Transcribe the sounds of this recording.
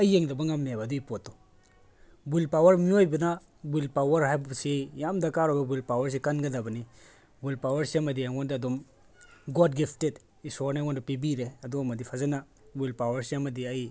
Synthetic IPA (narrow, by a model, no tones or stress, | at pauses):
ɐjeŋdɐbaŋamnebaduipɔtːɔ | bulpawɐɾmiojbina | bulpawɐɾɦajbsijamdakaɾɔbabulpawɐɾs̬ikanɡadabɐni | bulpawɐɾsiamɐdijaŋɔndɐdɔm | ɡɔd̚ɡipʰted | isɔɾnaŋɔndupibiɾeɐdɔmɐdipʰazena | bulpawɐɾsiamɐdiɐj